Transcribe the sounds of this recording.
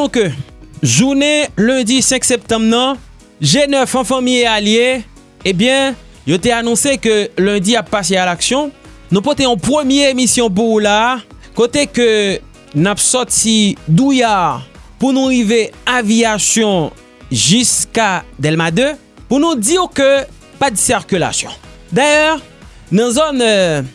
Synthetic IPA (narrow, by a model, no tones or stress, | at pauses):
ɔ̃kø | ʒunelɛ̃d̪isɛ̃ksɛp̚t̪ɑ̃mbnɐ̃ | ʒenœfɑ̃fãmiealje | ebjɛ̃ | jot̪ɛanɔ̃sekølɛ̃d̪iapːasealaksjɔ̃ | nũpɔt̪eɔ̃pʁəmjeemisjɔ̃p̬ulakot̪ekø | napsɔʁt̪id̪ujaʁpunuʁiveãviasjɔ̃ | ʒyskad̪ɛlmad̪ø | puʁnud̪iʁkø | pad̪əsiʁkʲyla̰sjɔ̰̃d̪ajœːʁ | nɑ̃zon